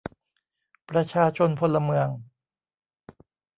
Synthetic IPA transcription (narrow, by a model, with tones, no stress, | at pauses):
pɾa˧t͡ɕʰaː˧t͡ɕʰo˧npʰo˧lːa˧mɯ˧əŋ